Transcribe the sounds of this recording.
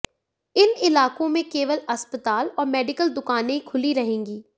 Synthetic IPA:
ɪnɪlaːkõmẽkeːʋəlɐspət̪aːlɔːɾmɛːɖɪkəld̪ʊkaːnẽikʰʊliɾɐɦẽːŋɡiː

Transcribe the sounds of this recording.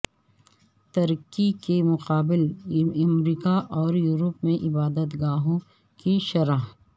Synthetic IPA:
t̪ɐɾkikemʊqaːbɪlɐmɾiːkaʔɔːɾjuːɾəpmẽʔɪbaːd̪ət̪ɡaːɦõ | kiʃɐɾaːɦt̪

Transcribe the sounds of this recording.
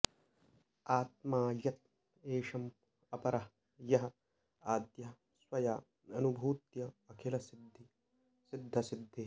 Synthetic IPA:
aːt̪̚maːjɐt̪̚ | eːʂɐm | ɐpɐɾɐɦ | jɐɦɐ̆ | aːd̪jɐɦɐ | swɐjaː | ɐnubʱuːt̪jɐːkʰelɐsid̪ʱːi | sid̪ʱːɐsid̪ʱːeː

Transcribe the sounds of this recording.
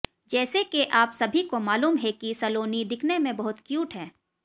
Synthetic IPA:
d͡ʒɛːsekeʔaːpsɐbʱikomaːluːmɦɛkisɐloːnid̪ɪkʰnemẽbɐɦʊt̪kjuːʈɦɛː

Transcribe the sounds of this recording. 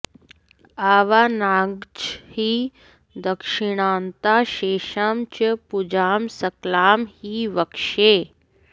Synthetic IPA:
aːʋaːnaɡd͡ʒhiː | d̪əkʂiɽ̃aːnt̪aʃeːʃamt͡ʃəpud͡ʑaːmsɐklaːmhiːʋəkʂe

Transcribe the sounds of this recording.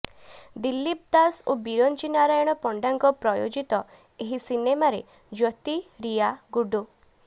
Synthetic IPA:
d̪ilːip̚d̪asobiɾɔnt͡ʃinaɾajɔɽ̃ɔpɔɳɖaŋkɔpɾɔjod͡ʒit̪ɔ | eɦisinemaɾe | d͡ʒɔt̪iɾijaɡuɖu

